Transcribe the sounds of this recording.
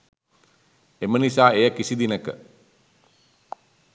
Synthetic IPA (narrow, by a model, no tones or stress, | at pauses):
emənisaːejakisid̪inəkə̰